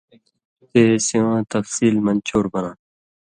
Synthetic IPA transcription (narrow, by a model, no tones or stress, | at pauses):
t̪eːsĩãt̪ɐfsiːlmɐnt͡ɕʰoːɾbɐnãː